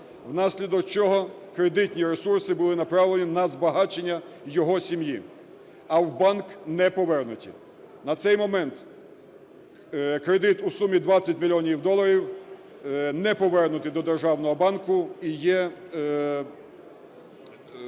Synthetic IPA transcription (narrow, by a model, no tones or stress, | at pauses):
wnɑsʲlʲid̪ɔkt͡ʃɔɦɔkɾe̞d̪ɪtʲnʲiɾesursɪbʊlˠɪnɐpɾɑwlˠenʲinɐzbɐɦɑt͡ʃenʲːɐjɔɦɔsʲimji | ɐwbɑnknɛpɔʋɛrnʊtʲḭ | nɐt̪sɛjmɔmɛnt̪ | kɾe̞d̪ɪt̪usumʲid̪ʋɑt͡sʲːɐtʲmʲilʲɔnʲiwd̪ɔlˠɐɾʲiw | nɛpɔʋɛrnʊt̪ɪd̪ɔd̪erʒɑwnɔɦɔbɑnkʊijɛ